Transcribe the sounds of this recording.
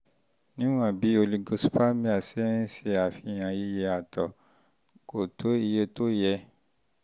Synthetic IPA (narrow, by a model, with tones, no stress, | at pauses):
nĩ˦w̃ã˦˨bi˨˦o˧li˧ɡo˧su̥˦pa˦mĩ˦a˨sɛ˦ɾ̃ĩ˦se˧a˨fi˧˨j̃ã˨ji˦je˧˦a˨tɔ˨ | ko˨tʰo˨˦i˧je˧to˦jɛ˧